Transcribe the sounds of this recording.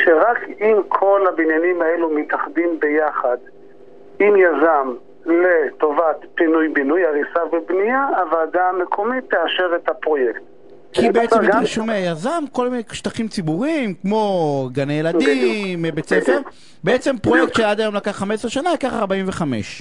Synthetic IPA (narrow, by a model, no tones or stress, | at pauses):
ʃeʁakimkʰo̞lhabinjanimaelumit̪aχd̪imbejaχad̪ | imjazam | let̪o̞vat̪pinujbinujaʁisavebniaːvaːdaːmekʰo̞mit̪ːeaʃeʁet̪hapʁo̞jekt̪ | kibeet͡semʃumeajazamko̞lmineʃtaχimt͡sibuʁimkmo̞ɡanejeladmbet͡sefeʁ | beet͡sempʁojek̚tʃead̪ajo̞mlakaχːamesʁeʃanalakaχaʁbaimveχame̞̰ʃ